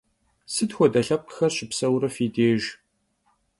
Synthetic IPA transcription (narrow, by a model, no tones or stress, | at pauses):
sɨtxʷɔdɐɬɐp̚qə̥xɐrɕɪpsɐwɾɐfiːdeːʒ